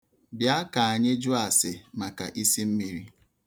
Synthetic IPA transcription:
bja˦ka˨a˨ɲe˦d͡ʒu˦a˨sɪ˨ma˨ka̰˨ʔi˦si˦m̩˦mi˦ɾi˦

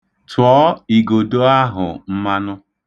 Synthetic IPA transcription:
tʰʊ˨ɔ˦i˨ɡo˨do˦a˦ɦʊ̰˨m̩˦ma˦nʊ˦

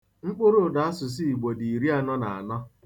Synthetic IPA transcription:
ŋ͡m̩˦k͡pʊ˦ɾo˦˨da˨a˦sʊ˨s̬i˦i˨ɡ͡bo˨di˨i˨ɾi˦a˨nɔ˦na˨a̰˨nɔ˦

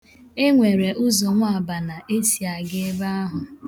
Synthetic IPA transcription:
e˦ŋʷe˨ɾe˨ʔʊ˦zɔ˨ŋʷ˦a˨ba˨na˨ʔe˦si˨a˨ɡe˦ba˦a˦ɦʊ˨

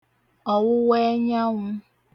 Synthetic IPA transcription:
ɔ˨wʊ˦we˦ɲa˦ŋʷʊ˦

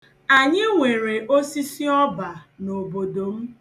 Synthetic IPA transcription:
a˨ɲɪ˦ŋʷe˨ɾe˨ʔo˦si˦si˦ɔ˦ba˨no˨bo˨do˨m̩˦

